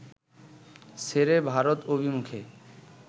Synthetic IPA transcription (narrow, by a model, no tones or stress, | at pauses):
seɾebʱaɾot̪obʱimukʰe